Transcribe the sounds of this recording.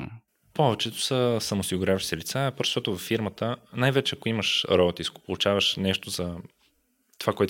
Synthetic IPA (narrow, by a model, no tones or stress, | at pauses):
pɔvɛt͡ʃɛt̪ʊ̥səsɐmoʊsiɡʊɾʲavəʃi̥sɛlit̪sapoɾʃt̪ɔt̪ʊvɐfːiɾmət̪ənajvɛt͡ʃɛɐkʊiməʃɾɔbot̪iskɡo̥polˠut͡ʃavəʃnɛʃt̪ozɐ | t̪ovakoɛt̪